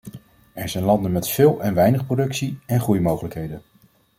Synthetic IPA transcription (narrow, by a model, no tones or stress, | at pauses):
ɛɹzɛjnlɑndənmɛtfɪːlˠɛnʋɛjnəχprodɵksiɛnχrujmowχələkɦejdən